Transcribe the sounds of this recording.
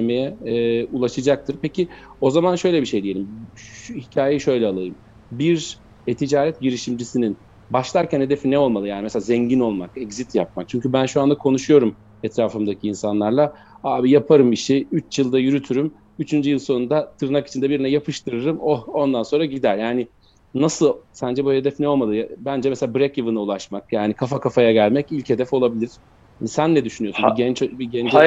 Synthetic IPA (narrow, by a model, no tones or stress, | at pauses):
emejɛːulˠaʃɯd͡ʒak̚t̪ʰɯɾpecio̞zamanʃø̞jlʲɛbiʃe̞jd̪ije̞lʲimhicʰaːjejiʃø̞jlʲɛalˠajɯm | biɾ | ɛt̪ʰid͡ʒaːɾɛt̪̚ɟiɾiʃimd͡ʒisinin | baʃlˠaɾcʰænhed̪efinːɛo̞lˠmalˠɯjaːnimɛselʲaːzɛɲɟino̞lˠmakɛɡzit̪jap̚mak̚t͡ʃʰyɲcybænʃuand̪akʰo̞nuʃujo̞ɾum | ɛt̪ɾaːfɯmd̪acʰiːnsanlˠaɾlˠa | aːbijapʰaɾɯmbiʃejyt͡ʃjɯlˠd̪ajyɾyt̪ʰyɾym | yt͡ʃʰynd͡ʒyjɯlˠso̞nund̪at̪ʰɯɾnaki̥t͡ʃʰind̪ɛbiɾinɛjapʰɯʃt̪ʰɯɾɯɾɯmoond̪anso̞nɾaɟid̪æɾjaːnɪ | nasɯlˠsænd͡ʒɛbuhed̪ɛfnɛo̞lˠmalˠɯjabænd͡ʒɛmɛselʲabɾɛcjavɯnaulˠaʃmakjaːnikʰafakʰafajaɟælʲmɛcilʲche̞d̪ɛfo̞lˠabilʲiɾ̥ | hansænlʲɛd̪yʃynyjosnbiɛnt͡ʃbiɟɛnd͡ʒ